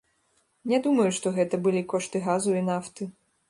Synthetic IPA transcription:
nʲɛd̪umɐjuʂt̪ɔɣɛt̪ɐbɨlʲikɔʂt̪ɨɣazuinaft̪ɨ

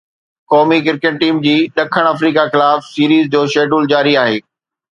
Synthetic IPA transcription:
kɔːmikɪɾkɪʈ̚ʈiːmd͡ʑiːɗɐkʰəɽ̃ɐfɾiːkaxɪlaːfsiːɾiːzd͡ʑoːʃeːɖuːld͡ʑaːɾiaːɦeː

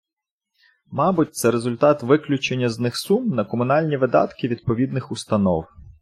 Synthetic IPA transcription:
mɑbʊt̚ʲt̪sɛɾezʊlʲt̪ɑt̪ʋɪklʲʊt͡ʃenʲːɐznɪxsumnɐkɔmʊnɑlʲnʲiʋɪd̪ɑ̰t̪kɪʋʲid̪̚pɔʋʲid̪nɪxʊst̪ɐnɔ̰w

